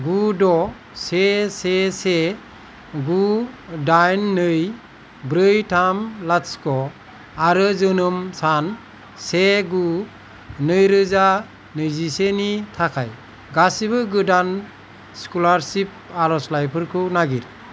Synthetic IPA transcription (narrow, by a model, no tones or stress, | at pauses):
ɡudɔ | sesese | ɡudajnːɯj | bɾɯjtʰamlaskɔ | aɾɯzɯnɯmsan | seɡu | nɯjɾɯza | nɯjzisenitʰakʰa̰j | ɡasibɯɡɯdan | skulaɾsip̚aɾɔslajpʰɯɾkʰɯnaɡiɾ